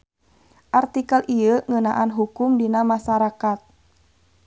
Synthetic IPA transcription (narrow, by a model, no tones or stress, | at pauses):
ʔart̪ikalʔiəŋənaʔanɦukʊmdinamaʃaɾakat̪̚